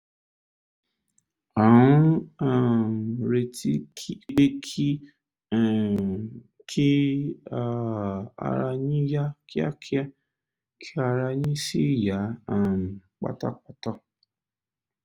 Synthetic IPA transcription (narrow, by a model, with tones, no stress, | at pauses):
ã˨˦a˦˨ɾe˧ti˦i˦e˦kʰĩ˦˨ | kʰi˦a˦˧a̰˧ɾa˧ɲĩ˦ja˦ki˦a̰˦kʰi˦a˦ | kʰi˦a˧ɾa˧ɲĩ˦si˦˨ja˨˦a˦˨k͡pa̰˦ta̰˦k͡pa˦ta˦